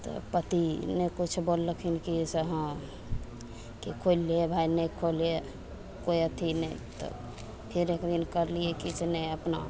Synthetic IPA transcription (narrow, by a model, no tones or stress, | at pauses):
t̪ɔ̰pət̪inekut͡ʃʰbolːəkʰinkisəɦə̃ | kikʰolːiebʱainəkʰolie | kojət̪ʰinəit̪ɔ̰ | pʰiɾekd̪inkəɾliekit͡ʃʰneəpna̰